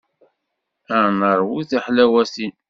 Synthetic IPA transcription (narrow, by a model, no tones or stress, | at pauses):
ænəɾˤwuθæħlæwæsin